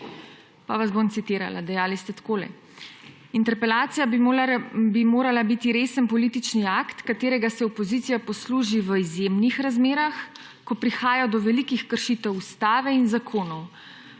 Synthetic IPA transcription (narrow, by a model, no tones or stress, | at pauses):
paʋazbont̪sit̪iːɾa̰la̰d̪ɛjaːlist̪ɛt̪koːlɛ̰ | int̪ɛɾpɛlaːt̪sija | bimoːɾalabit̪iɾeːsənpɔlit̪it͡ʃniakt̪kat̪eːɾɛɡasɛɔpɔzit̪sijapɔsluːʒiʋəizjemnixɾazmeːɾax | kɔpɾixaːjad̪ɔʋɛlikixkəɾʃiːt̪ɛwust̪aːʋɛinzakʰoːnɔw